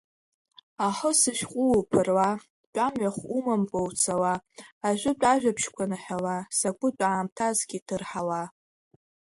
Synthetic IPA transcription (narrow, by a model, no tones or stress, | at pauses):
aħəsɨʃᶣqʷʼʊpʰɨrwa | t͡pʷʼamɥaχʷumampʼowt͡sʰawaːʒʷᶣʊt͡pʷʼaʒᶣapʰʃkʷʰanɨħawasakʷʼʊt͡pʼaːmtʰazɡʲitʰɨrħawa